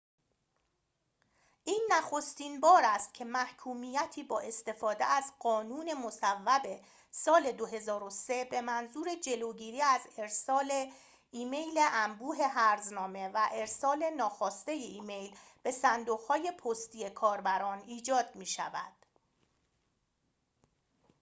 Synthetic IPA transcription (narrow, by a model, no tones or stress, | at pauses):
ʔiːnːæxo̞st̪iːnbɒːɾæst̪̚cʰe̞mæhkʰuːmiːjæt̪ʰiːbɒːʔe̞st̪e̞fɒːd̪ḛæzɢɒːnuːne̞mo̞sævːæbe̞ | sɒːle̞d̪oɦe̞zɒːɾo̞se̞be̞mænzuːɾe̞d͡ʒe̞lo̞ɟiːɾiːæze̞ɾsɒːle | iːme̞jle̞ʔæmbuːɦe̞ɦæɾznɒːme̞væʔe̞ɾsɒːle̞nɒːxɒːst̪e̞jeʔiːme̞jlb̥e̞sænd̪oɣhɒːje̞pʰost̪ije̞kʰɒːɾbæɾɒːniːd͡ʒɒːd̪̥̚miːʃæ̰væ̰d̪̥